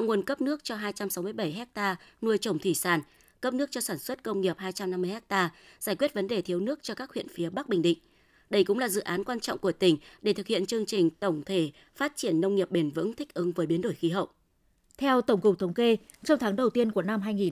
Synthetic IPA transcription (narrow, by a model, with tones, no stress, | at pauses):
wŋu˨˩ənkə˦˥p̚nɨ˦˥ək̚t͡ɕɔ˧ɦaː˧jt͡ɕa˧msa˨˦wmɨ˧əjɓə˧˩jɦɛ˦˥k̚t̪aː˧nu˧əjt͡ɕə˨˩wŋ͡mt̪ʰi˧˩saː˧˩n | kə˦˥p̚nɨ˦˥ək̚t͡ɕɔ˧saː˧˩nswə˦˥t̚kə˧wŋ͡mŋi˨˩əp̚haː˧jt͡ɕa˧mna˧mːɨ˧jhɛ˦˥k̚t̪aː˧zaː˧˩jkwi˦˥t̚və˨˦nɗe˨˩t̪ʰi˨˦əwnɨ˦˥ək̚t͡ɕɔ˧kaː˦˥k̚hw̰ḭ˧˨ənfi˨˦əɓa˦˥k̚ɓï˨˩ŋ̟ɗḭ̈˧˨ŋ̟ | ɗə˧jkʊ̰˧˥ŋ͡mlaː˨˩zɨ̰˧˨ʔaː˨˦nkwaː˧nt͡ɕɔ̰˧˨wŋ͡mku˧˩ət̪ï˧˩ŋ̟ɗe˧˩t̪ɨ˨k̚hḭ˧˨ənt͡ɕɨ˧əŋt͡ɕï˨˩ŋ̟t̪ə˧˩wŋ͡mt̪ʰe˧˩ | faː˦˥t̚t͡ɕi˧˩ənːə˧wŋ͡mŋi˨˩əp̚ɓe˨˩nvɨ̰˧˥ŋt̪ʰï˦˥k̟̚ʔɨ˨˦ŋvəː˨˦jɓi˨˦ənɗo˧˩jxi˨˦ɦə̰˧˨w | t̪ʰɛ˧wt̪ə˧˩ŋ͡mkʊ˨˩k͡p̚t̪ʰə˨˦wŋ͡mke˧ | t͡ɕɔ˧wt̪ʰaː˨˦ŋɗə˨˩wt̪i˧ənku˧˩əna˧mɦaː˧jŋi˨˩n